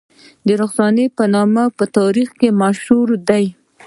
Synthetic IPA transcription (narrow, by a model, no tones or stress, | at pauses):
d̪əɾoxsɑnepənɑmapət̪ɑɾixkemaʃhuɾd̪aj